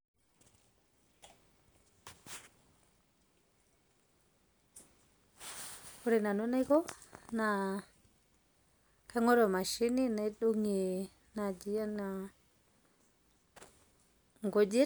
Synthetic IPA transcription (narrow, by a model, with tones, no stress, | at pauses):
o˨ɾe˨na˨no˦na˦jko˦na˨ | ka˦ŋo˦ɾo˨ma˨ʃi˦ni˦na˨i˦ɗu˦ŋi˨ | na˨d͡ʒi˦ja˦na˨ | ŋɡo˨d͡ʒe˦